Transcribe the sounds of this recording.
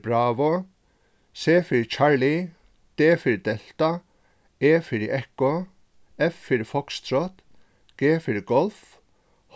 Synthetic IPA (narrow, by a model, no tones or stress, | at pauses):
bɾaːʋɔ | seːfɪɾt͡ʃʰaɹli | d̪̥eːfɪɾd̪ɛl̥t̪a | eːfɪɾɛhkɔ | ɛfːɪɾfɔkst̪ʰɾɔt̪ | ɡ̥eːfɪɹɡɔlf | h